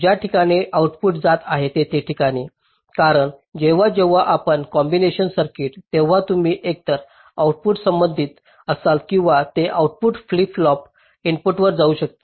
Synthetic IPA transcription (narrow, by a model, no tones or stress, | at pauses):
d͡ʑjaʈʰikaɽ̃iʔawʈpuʈd͡zat̪aɦet̪et̪eʈʰikaɽ̃i | kaɾəɳd͡ʑeʋ̤ad͡ʑeʋ̤aʔapəɳkɔmbineɕənsəɾkiʈt̪eʋ̤at̪um̤iːʔek̚t̪əɾ | awuʈ̚puʈsəmbənd̪ʱiːt̪ | əsalkĩw̃ʋat̪eʔawʈ̚puʈfliflɔp | inpuʈʋəɾd͡zauɕək̚t̪a